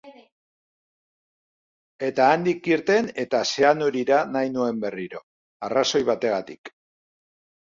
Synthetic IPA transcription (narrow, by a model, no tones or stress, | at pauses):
e̞t̪aːnd̪ikiɾt̪e̞ne̞t̪ase̞anoɾiɾanajnue̞mbe̞riɾo̞ | araso̞jβ̞at̪e̞ɣat̪ik